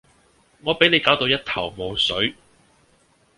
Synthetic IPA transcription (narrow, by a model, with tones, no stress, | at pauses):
ŋɔː˨˧pe˨˥jne˨˧jkaː˨˥wt̪o˧wjɐ˥t̚t̪ʰɐ˨˩wmo˨˧wsɵ˨˥ɥ